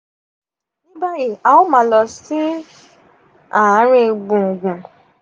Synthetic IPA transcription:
nĩ˦ba˦ji˨a˨o˦mã˧˦lɔ˧si˦ | a˦˨a˨˦ɾ̃ĩ˦˧ɡ͡bũ˨ɡũ˨

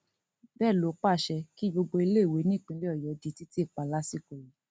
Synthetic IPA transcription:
bɛː˦˨lo˨˦k͡pa˦˨ʃɛ˧ki˦ɡ͡bo˧ɡ͡bo˧i˧le˦˨we˨˦nĩ˦˨k͡pĩ˧le˦ɔ˦˨jɔ˨˦di˨˧ti˦ti˦e˦˨k͡pa˨˧˦la˦si˦˨ko˨ji˨˦

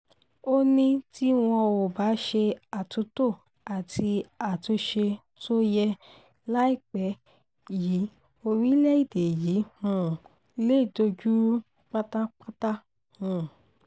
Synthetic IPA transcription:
o˦nĩ˦ti˦w̃ɔ̃˧wo˨ba˨˦ʃe˧a˨tu˨˧˦to˦˨ | a˨tʰi˧a˨to˧ʃe˧ | to˦jɛ˧ | la˦i˦˨k͡pɛ˨˦ | ji˨˦ | o˧ɾi˦lɛ˦i˦˨de˨ji˨˦hũ˦˨˧ | le˦˨to˧d͡ʒu˦ɾu˦ | k͡pa˦ta˦k͡pa˦ta˦ | hũ˨

